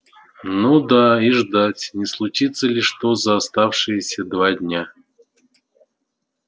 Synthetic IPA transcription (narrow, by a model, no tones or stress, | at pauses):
nud̪aiʐd̪atʲnʲɪslˠʊt͡ɕit̪səlʲɪʂt̪ozəːst̪afʂɨjəsʲəd̪vadʲnʲa